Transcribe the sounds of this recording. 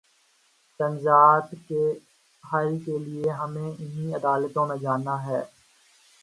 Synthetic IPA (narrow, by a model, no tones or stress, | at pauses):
pɐ̃nd͡ʒaːdke | ɦaːikelieɦɐmẽɪnĩɐd̪aːlət̪õːnad͡ʒaːnaɦɛː